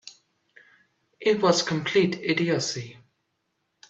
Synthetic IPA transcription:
ʔɪtwʌz̥kʰə̃mpʰl̥iˑtʰɪdiəsi

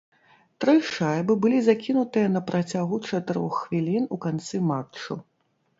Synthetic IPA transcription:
t̪ɾɨʂajbɨbɨlʲizakʲinut̪ɨjɐnɐpɾʔat͡sʲaɣut͡ʂɐt̪ɨɾɔ̰xːvʲilʲinukant̪sɨmat͡ʂt͡ʂːṵ

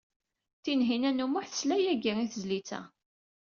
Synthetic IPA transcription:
θinɦinænumʊħθə̥slæjæɡiiθəzlit͡sːæ̰

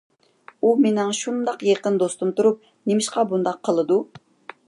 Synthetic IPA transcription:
umenɪŋʃund̪ɑqjeqənd̪ost̪umt̪uɾup̚ | nemɪʃqɑbund̪ɑqʰːəlˠɨd̪u

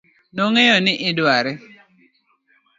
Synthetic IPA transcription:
noŋejɔnɪʔɪdwaɾɛ

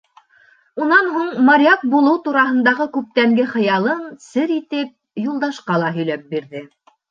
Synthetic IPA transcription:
unɑnɦuɴmɐɾʲjak̚bulˠɤwt̪uɾɑɦɤ̆nd̪ɑʁɤkʉp̚t̪æŋɡɘχɤ̆jɑlˠɤnsɘɾit̪ɘp̚ | julˠd̪ɑʃqɑlˠɑɦɵ̆jlæp̚biɾðɘ

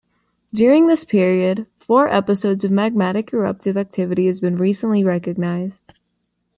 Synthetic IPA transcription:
d̥ʊɹɪ̃ŋðɪspʰɪɹiɨd̥fɔɹʔɛpɨsoʊdzʌvmæɡ̚mæɾɨkʰə˞ʌ̰p̚tɨvæk̚tʰɪvɨɾiɨzbɨ̃nɹisə̃nʔliɹɛkɨɡ̚naɪz̥d̥

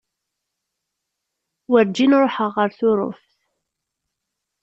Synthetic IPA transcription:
wəɾd͡ʒːinɾˤoħəʁːəɾθʊɾˤʊ̰fθ

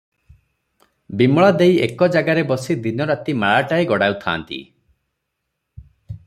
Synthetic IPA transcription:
bimɔɭad̪ejekɔd͡ʒaɡaɾebɔsid̪inɔɾat̪imaɭaʈaeɡɔɽawt̪ʰa̰ːnt̪ḭ

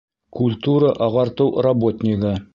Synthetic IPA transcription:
kulʲt̪uɾəʔɑʁɑɾt̪ɤwrobo̞t̪ʲnʲɪɡə

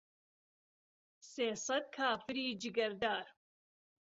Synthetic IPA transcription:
seːsɐd̪̚kʰaːfɨɾiːd͡ʒɨɡɐɾd̪aːɾ

